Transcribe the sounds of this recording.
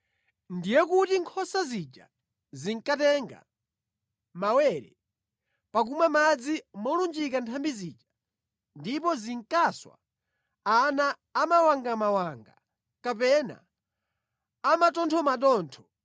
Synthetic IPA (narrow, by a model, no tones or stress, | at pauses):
ndijɛkutiŋkʰɔsazit͡ʃa̰ | ziŋkatɛŋɡa̰ | mawɛɾɛ̰ | pak̬umwamad͡zimɔlund͡ʒikantʰambiziːt͡ʃḁ | ndipɔziŋkaswa̰ | anaː | mawaŋɡamawaŋɡa̰ | kapɛna̰ | amatɔntʰɔmaɗɔːntʰɔ